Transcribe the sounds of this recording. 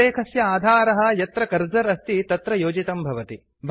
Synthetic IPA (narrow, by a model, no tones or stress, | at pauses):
eːkʰɐsjɐaːd̪ʱaːɾɐɦɐ̆jɐt̪ɾɐkɐɾd͡zɐɾɐst̪it̪ɐt̪ɾɐjoːd͡ʒit̪ɐmbʱɐʋɐt̪i | bʱ